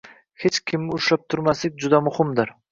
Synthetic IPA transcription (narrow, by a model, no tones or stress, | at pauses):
het͡ʃkʲʰɪmːɪʊʃlap̚t̪ʰʊɾmaslɪk̚ʲd͡ʒʊd̪amʊhɪmd̪ɪɾ